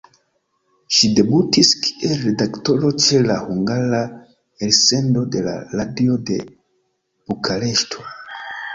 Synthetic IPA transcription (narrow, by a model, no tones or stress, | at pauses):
ʃide̞butiski̥ʔelːe̞dakto̞ɾo̞t͡ʃe̞lahuŋɡaɾa | else̞ndo̞de̞la̰ɾadio̞de̞̰ | b̥okʰale̞ʃtʰo